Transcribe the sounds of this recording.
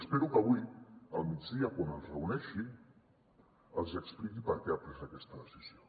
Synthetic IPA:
speɾukəβuiəlˠmid͡zðiakwanəlˠzrəunɛʃi | əlˠzəksplikipəɾkɛapɾɛzakɛst̪əðəsizjo

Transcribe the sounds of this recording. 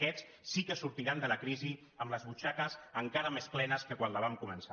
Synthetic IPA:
ɛt͡s | sikəsuɾt̪iɾand̪ələkɾizi | əmləzβut͡ʃakəzəŋkaɾəmesklɛnəskəkwanləβ̞amkumənsa

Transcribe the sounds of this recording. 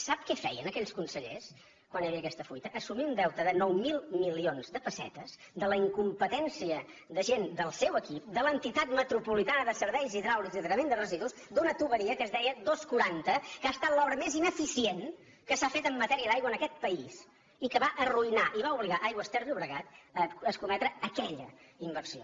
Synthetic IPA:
sap̚kɛfɛ̰jənəkɛʎskunsəʎḛs | kwanjəβiəkɛst̪əfujt̪əʔːsumiund̪ɛwt̪əðənɔwmilˠmilionzd̪əpəsɛ̰t̪əz̥ | d̪ələiŋkumpət̪ɛnsiə | ðəʒend̪əlˠsɛwəkip̚d̪ələnt̪it̪at̪mət̪ɾupulit̪anəðəsəɾβɛjziðɾawɾiziðəɾəmend̪ərəziðusd̪unət̪uβəɾiəkəzðɛjəd̪oskuɾant̪əkaːst̪at̪lɔβɾəmezinəfisien | kəsafet̪əmːət̪ɛɾiəd̪ajɣwənəkɛt̪̚pəis | ikəβaʔəruinaʔiβauβliɣaʔajɣwəst̪ɛɾðiuβɾəɣat̪əəskumɛt̪ɾəəkɛʎə̰imbərsio̰

